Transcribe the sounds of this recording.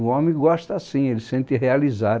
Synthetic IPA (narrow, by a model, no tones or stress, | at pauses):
uõmẽj̃ɡɔʃt̪ɐsĩelɪsẽnt̪ɪɦealiza